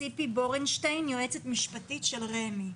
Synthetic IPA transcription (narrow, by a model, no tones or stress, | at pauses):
ipiboʁenʃtejnjoet͡setmiʃpatitʃe̞lʁemi